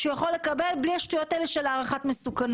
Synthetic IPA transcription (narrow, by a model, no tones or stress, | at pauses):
ʃejaχo̞lːe̞kabe̞lbliaʃtujo̞taeleʃelaːʁaχatmesukan